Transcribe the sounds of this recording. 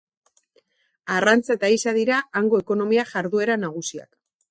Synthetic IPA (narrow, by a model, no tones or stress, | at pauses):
arant͡saet̪aisaðiɾaːŋɡo̞e̞ko̞no̞miaʝaɾðue̞ɾanaɣ̞usia̰k